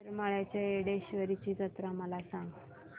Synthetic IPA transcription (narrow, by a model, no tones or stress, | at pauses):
ɾmaɭjat͡ɕaeɽeɕiʋəɾit͡ɕiːd͡zət̪ɾəməlasãŋɡ